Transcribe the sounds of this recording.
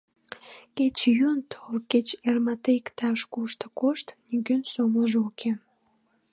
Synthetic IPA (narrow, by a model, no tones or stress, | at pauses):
ket͡ɕjynt̪ʰolket͡ɕermɑt̪eikt̪ɑʃkuʃt̪əkoʃt̪niɡønsomləʒeukʰe